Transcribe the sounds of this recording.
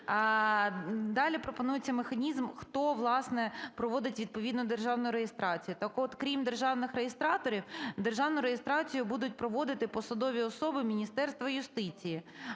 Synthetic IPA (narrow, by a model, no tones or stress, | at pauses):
d̪ɑlʲipɾɔpɔnujet͡sʲːɐmexɐnʲizmxt̪ɔʋlˠɑsnɛpɾɔʋɔd̪ɪtʲʋʲid̪̚pɔʋʲid̪nʊd̪erʒɑwnʊjʊɾejest̪ɾɑt͡sʲijʊt̪ɑkɔt̪kɾʲimd̪erʒɑwnɪxɾejest̪ɾɑt̪ɔɾʲiwd̪erʒɑwnʊɾejest̪ɾɑt͡sʲijʊbud̪ʊt̚ʲpɾɔʋɔd̪ɪt̪ɪpɔsɐd̪ɔʋʲiɔsɔbɪmʲinʲist̪ɛrst̪ʋɐjʊst̪ɪt͡sʲiji